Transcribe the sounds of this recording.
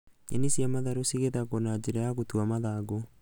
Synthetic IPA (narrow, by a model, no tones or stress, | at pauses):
ḛnisjamaðaɾosiɣeðaɣonad͡ʑeɾajaɣotuamaðaɡo